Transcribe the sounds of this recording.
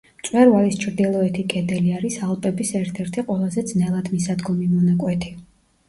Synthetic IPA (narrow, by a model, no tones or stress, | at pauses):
mt̪sʼwɛɾvalist͡ʃʰɾd̪ilˠɔɛt̪ʰikʼɛd̪ɛliaɾisalˠpʼɛbisɛɾt̪ʰɛɾt̪ʰiqʼwɛlˠazɛd̪znɛlˠad̪misad̪ɡɔmimɔnakʼwɛt̪ʰi̥